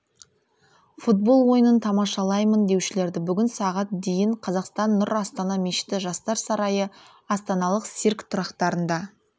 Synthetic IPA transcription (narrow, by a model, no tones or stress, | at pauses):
fut̪̚bo̞lˠwo̞jənənt̪ʰɑmɑʃɑlˠɑjmənd̪e̞wʃɪle̞ɾd̪ɪbʏɡʲɪnsɑʁɑt̪̚d̪e̞jɪɴqʰɑzɑqst̪ɑnːʊɾɑst̪ɑnɑmeʃɪ̥t̪ɪʒɑst̪ɑɾsɑɾɑjə | ɑst̪ɑnɑlˠəqsiɾkt̪ʰʊɾɑqt̪ɑɾənd̪ɑ